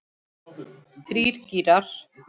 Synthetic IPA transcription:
θɾiːɾ̥ciːɾaɾ̥

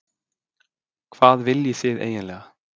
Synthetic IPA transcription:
kʰv̥aːðvɪljɪθɪðḛːjɪnlɛːɣa

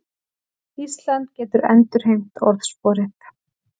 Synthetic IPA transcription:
ist̪lant̪̚cɛːt̪ʏɾɛ̰nt̪ʏɾ̥ɦejm̥t̪ʰɔɾðspɔːɾɪt̪

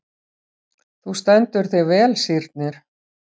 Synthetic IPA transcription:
θust̪ɛnt̪ʏɾ̥θejvɛːlsiɾt̪̚nɪɾ̥

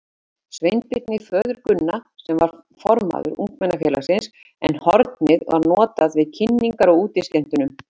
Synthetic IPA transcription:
svejnt̪pɪt̪nɪfœːðʏɾkʏnːasɛmvaɾ̥ | fɔɾma̰ðʏ̰ɾṵŋ̥kmɛnːafjɛlasɪns | ɛ̰nhɔɾt̪nɪðva̰ɾnɔːt̪aðvɪðcʰɪnːiŋkaɾɔɣuːt̪ɪscɛn̥t̪ʏnʏm

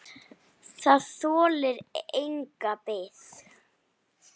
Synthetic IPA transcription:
θaðθɔːlɪɾejŋkapeːθ

